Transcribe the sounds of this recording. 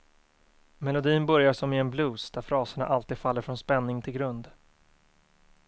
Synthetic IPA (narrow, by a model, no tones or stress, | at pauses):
mɛlʊd̪iːnbœɾjaʂɔmɪɛnbluːsd̪̥æɾfɾɑːsəɳa̰ʔalt̪iːd̪̥falːəɾfɾɔnspɛnːɪŋt̪ʰɪlɡɾɵnd̪